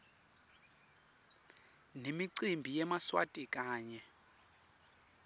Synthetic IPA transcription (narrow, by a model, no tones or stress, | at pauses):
nemiǀimbʱijɛmaswa̰tʼikʼaːɲɛ